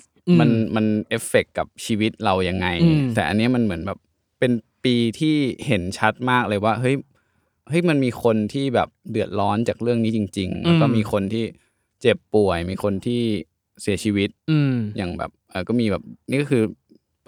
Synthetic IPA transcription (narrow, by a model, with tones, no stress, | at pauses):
ma˧nma˧nʔe˦˥fe˨˩kːa˨˩p̚t͡ɕʰiː˧wi˦˥t̪̚ɾa˧wja˧ŋːa˧jt̪ɛː˨˩ʔa˧nːi˦˥ɐma˧nmɯ˩˦ənbɛː˨˩p̚ | pe˧npiː˧t̪ʰiː˥˩he˩˦nt͡ɕʰa˦˥t̪̚maː˥˩k̚lɤː˧jwaː˥˩ɦɤ˦˥j | hɤ˦˥jma˧nmiː˧kʰo˧nt̪ʰiː˥˩bɛː˨˩p̚dɯ˨˩ət̪̚ɾɔː˦˥nt͡ɕaː˨˩k̚ɾɯ˥˩əŋniː˦˥t͡ɕi˧ŋt͡ɕi˧ŋlɛ˦˥wkɔː˥˩miː˧xʰo˧nt̪ʰiː˥˩ | t͡ɕe˨˩pːu˨˩əjmiː˧xʰo˧nt̪ʰiː˥˩ | si˨˩˦t͡ɕʰiː˧wi˦˥t̪̚ːjaː˨˩ŋbɛ̰ː˨˩p̚ʔɤː˨˩kɔː˥˩miː˧bɛː˨˩p̚ni˥˩kɔ˥˩kʰɯː˧